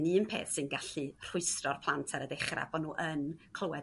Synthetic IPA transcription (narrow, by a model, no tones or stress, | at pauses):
niənpʰḛːθsɨnɡaɬɨr̥ʊɨsrɔrpʰlˠantʰaɾədeχra̰b̥ɔnːuːʔənkʰlˠowɛ